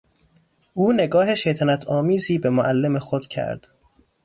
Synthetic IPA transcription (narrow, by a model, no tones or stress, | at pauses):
ʔuːne̞ɡɒːɦe̞ʃejt̪ʰænæt̪ʰɒːmiːziːbe̞moʔælːe̞mexod̪̥cʰæ̰ɾd̪̥